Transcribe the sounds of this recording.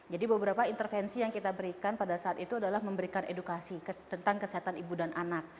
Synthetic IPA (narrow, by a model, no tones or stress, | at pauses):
d͡ʒadibəbəɾapaint̪ərfɛnsijaŋkit̪abəɾikanpadasaːt̪it̪uadalahməmbəɾikanedukasikt̪ənt̪aŋkəsiɦat̪anibudanʔanak̚